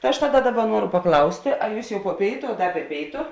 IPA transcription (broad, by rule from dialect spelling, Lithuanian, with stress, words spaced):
tɐ ˈɐʃ ˈtɑːˌdɐ ˈdɑːˌbɐ ˈnuɔrʊ pɐˈklˠɐʊsʲtʲeː ɐ ˈjuːs jɛʊ poː ˈpʲeːɪtʊ ɐ ˈdɐ bʲɛ ˈpʲeːɪtʊ